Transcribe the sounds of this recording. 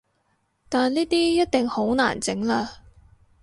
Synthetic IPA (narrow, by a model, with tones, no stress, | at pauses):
t̪aː˨nniː˥t̪iː˥jɐ˥t̚t̪ɪ˨ŋho˨˥wna̰ː˨˩nt͡sɪ˨˥ŋlaː˧